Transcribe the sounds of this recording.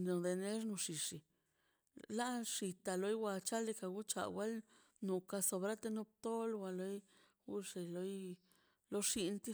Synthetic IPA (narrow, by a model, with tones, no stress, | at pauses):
no˨d̪e˨ne˦ʂnu˧ʂi˨ʂi˨ | la˦ʂi˨t̪a˨lo˧˦jwʷa˧t͡ʃa˦le˧ka˧˨ɡu˦t͡ʃa̰˨wa˦l | nu˨ka˧so˧bɾa˦t̪e˧nu˦p̚t̪o˦lwa˧lo˧j | ɡu˦ʂi˨lo˧˦j | lo˦ʂi˧nt̪i˦